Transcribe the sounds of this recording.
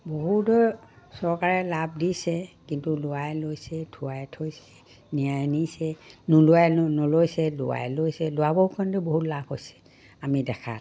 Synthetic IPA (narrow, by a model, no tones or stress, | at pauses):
boɦutɔ | sɔɹkaɹɛlab̚disɛkintulʊwajlojsɛtʰʊajtʰojsɛ | nijajnisɛnulʊajnɔlojsɛlʊwa̰jlojsɛlʊabɔɹkʰɔntʊboɦutlabhojsɛ̥ | amidɛkʰa̰t